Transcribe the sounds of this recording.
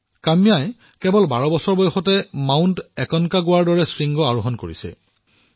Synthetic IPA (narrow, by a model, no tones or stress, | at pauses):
kamijaj | kɛbɔlbaɹɔbɔsɔɹbɔjxɔtɛmawntɛkɔnkaɡʊwaɹdɔɹɛsɹiŋɡɔaɹuɦɔnkoɹisɛ̰